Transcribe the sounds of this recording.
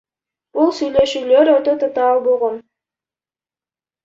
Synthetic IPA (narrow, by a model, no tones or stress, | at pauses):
b̥ulˠsyjle̞ʃyːløɾøɾt̪øt̪ʰot̪ɑlˠbo̞lˠʁon